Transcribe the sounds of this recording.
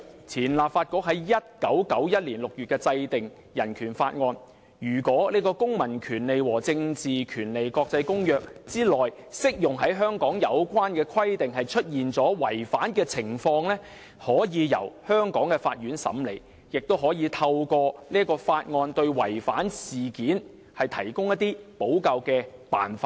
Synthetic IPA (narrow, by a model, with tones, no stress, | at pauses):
t͡sʰiː˨˩nlaː˨p̚faː˧t̚kɔː˧˥k̚hɐ˨˥jjɐ˥t̚kɐ˨˥wkɐ˨˥wjɐ˥t̚liː˨˩nlʊ˨k̚jyː˨t̚kɛː˧t͡sɐ˧jt̪ɪ˨ŋ | jɐ˨˩nkʰyː˨˩nfaː˧t̚ŋɔː˧n | jyː˨˩kɔː˨˥liː˥kɔː˧kʊ˥ŋmɐ˨˩nkʰyː˨˩nle˨jwɔː˨˩t͡sɪ˧ŋt͡siː˨kʰyː˨˩nle˨jkɔː˧k̚t͡sɐ˧jkʊ˥ŋjœː˨k̚t͡siː˥lɔː˨˩j | sɪ˥k̚jʊ˨ŋɦɐ˨˥jɦœː˥ŋkɔː˨˥ŋjɐ˨˧wkʷaː˥nkɛː˧kʰwɐ˥jt̪ɪ˨ŋɦɐ˨jt͡ʃʰɵ˥t̚jiː˨nt͡sɔː˨˥wɐ˨˩jfaː˨˥nkɛː˧t͡sʰɪ˨˩ŋfɔː˧ŋlɛː˥ | hɔː˨˥jiː˨˧jɐ̰˨˩whœː˥ŋkɔː˨˥ŋkɛ˧fa̰ː˧t̚jyː˨˥nsɐ̰˨˥mle˨j | jɪ˨k̚t̪o˥wɦɔː˨˥jiː˨˧t̪ʰɐ˧wkɔː˧nliː˥kɔː˧faː˧t̚ŋɔː˧nt̪ɵ˧ɥwɐ˨˩jfaː˨˥nsiː˨˩kiː˨˥n | hɐ˨jt̪ʰɐ˨˩jkʊ˥ŋjɐ˥t̪ːiː˥po˨˥wkɐ˨˧wkɛː˧pa̰ː˨nfaː˧˥